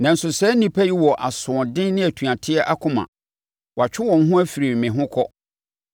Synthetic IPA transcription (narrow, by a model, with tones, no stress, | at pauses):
nã˨n̩˨sʊ˨sɛ˦nĩ˨pʰæ˦ji˦wɔ˨ʔa˨sʊ̃˨ɔ˨dɪ̃˦nnɪ̃˦æ˨tʰũ˨ã˨tʰɪ˦ɛ˦ʔa˦kʰʊ̃˦mã̰˨ | wa˨t͡ɕᶣʰɪ˦wɔ̃˨n˦ɦʊ̃˦æ˦fi˨ɾi˨mɪ̃˨ɦʊ̃˦kʰɔ˦